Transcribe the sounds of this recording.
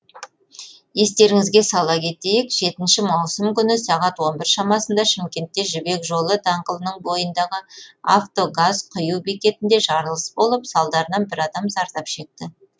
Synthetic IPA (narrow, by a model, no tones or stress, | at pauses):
je̞st̪e̞ɾɪŋɪzɡʲe̞sɑlˠɑkʲʰe̞t̪e̞jɪkʒ̥e̞t̪ɪnʃɪmɑwsəmkʲʰʏnɪsɑʁɑt̪wo̞nbɪɾʃɑmɑsənd̪ɑʃɪmkʲe̞nt̪ːe̞ʒʏbe̞kʒo̞lˠəd̪ɑɴqəlˠənəɴbo̞jənd̪ɑʁəa̰ft̪o̞ɡazqʰʊjuwbikʲe̞t̪ɪnd̪e̞ʒɑɾəlˠəsbo̞lˠəpsɑlˠd̪ɑɾənɑnbɪɾɑd̪ɑmzɑɾt̪ɑpʃe̞k̚t̪ɪ